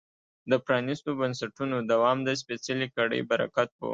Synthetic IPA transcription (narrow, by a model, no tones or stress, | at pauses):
d̪əpɾɑnist̪obənsaʈunod̪awɑmd̪əs̬pesalikaɽə̰jbaɾa̰kat̪̚bə̰